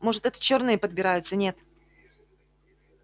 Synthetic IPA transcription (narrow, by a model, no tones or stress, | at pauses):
moʐɨt̪ɛt̪ə̥t͡ɕo̞rnɨjəpəd̪̚bʲɪɾajʊt̪sːənʲe̞t̪